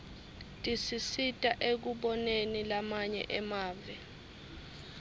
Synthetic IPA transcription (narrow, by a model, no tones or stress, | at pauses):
tʼisisitʼaʔek̬uɓɔnenilamaɲɛ̰ʔɛmaːvɛ